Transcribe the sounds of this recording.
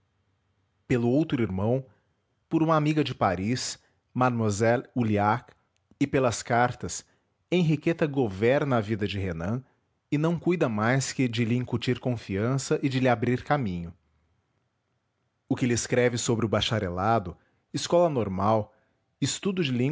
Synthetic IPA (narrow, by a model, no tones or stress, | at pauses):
pelʊowt̪ɾʊiɾmɐ̃w̃ | pʊɾũmɐamiɡɐd͡ʒɪpaɾis | mamazɛluliak | ɪpelɐskaɾt̪ɐs | ẽj̃ɦiket̪ɐɡovɛɾnɐːvid̪ɐd͡ʒɪɦenɐ̃ | ɪnɐ̃w̃kujd̪ɐmajskɪd͡ʒɪlɪĩŋkut͡ʃiɾkõfiɐ̃sɐʔɪd͡ʒɪlɪabɾiɾkamĩɲʊ | ʊkɪlɪskɾɛvɪsobɾɪʊbaʃaɾelad̪ʊ | ɪskɔlɐnoɾmaw | ɪst̪ud̪ʊd͡ʒɪlĩ